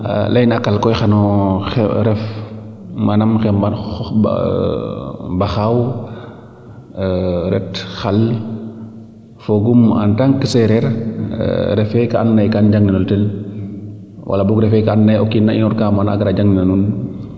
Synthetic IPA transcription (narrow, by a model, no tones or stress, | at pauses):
lɐjnakalkɔjxanɔ | ɾɛf | manamxɛmbaɔ | baxaw | ɾɛtxal | foɡuma̰ntaŋkəsɛɾɛɾ̰ | ɾɛfɛkaanːajkanɟaŋninoltɛl | wʔa̰labukɾɛfɛkanːajɔkːinːainɔɾkaːmana̰ɡɾaɟaŋninanun